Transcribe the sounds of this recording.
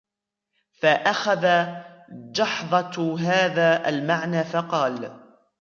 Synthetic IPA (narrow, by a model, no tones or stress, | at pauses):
faʔaxaða | d͡ʒɑħðˤɑɦaːðaːʔa̰lmaʕnaːfɑqɑːl